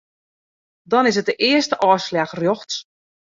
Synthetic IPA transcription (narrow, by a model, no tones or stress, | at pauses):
dɔnɪs̬ət̚dəʔɪəstəʔɔːslaxrjoxs